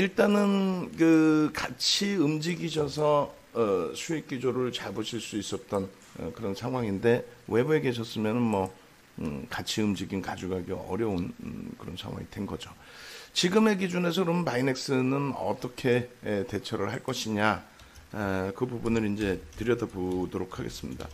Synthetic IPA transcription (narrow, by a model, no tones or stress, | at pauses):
iɭt͈anɯnkɯkat͡ɕʰiɯmd͡ʑiɡiɕʰʌsʰʌ | sʰuik͈id͡ʑoɾɯɭt͡ɕaɭbuɕʰiɭs͈uis͈ʌt̚t͈ʌn | ʌ̰kɯɾʌnsʰaŋɦwaŋinde̞we̞bue̞ɡe̞ɕ̬ʰʌs͈ɯmjʌnɯnmʌ | kat͡ɕʰiɯmd͡ʑiɡinkad͡ʑuɡaɡeʌ̰ɾjʌunkɯɾʌnsʰa̰ŋwa̰ŋḭdwenɡʌ̰d͡ʑo | t͡ɕiɡɯme̞ɡid͡ʑune̞sʰʌkɯɾʌmnpaine̞k̚s͈ɯnɯnʌ̰t͈ʌkʰe̞te̞t͡ɕʰʌɾɯɭhaɭk͈ʌɕʰiɲa | kɯbubunɯɾind͡ʑe̞tɯɾjʌdʌpodoɾokʰaɡe̞̰s͈ɯmɲida̰